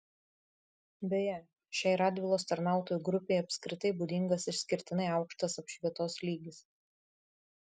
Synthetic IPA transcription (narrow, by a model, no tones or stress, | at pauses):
bʲɛjɛ | ʃʲɛːˑɪɾɑːd̪ʲʋʲɪlˠoːst̪ɐɾnɑˑʊt̪oːjuɡɾʊpʲɛɪɐpʲsʲkɾʲɪt̪ɐɪbuːd̪ʲɪŋɡɐsɪɾsʲkʲɪɾʲt̪ʲɪnɐɪɑʊkʃt̪ɐsɐpʃʲʋʲiɛt̪oːslʲiːɡʲɪs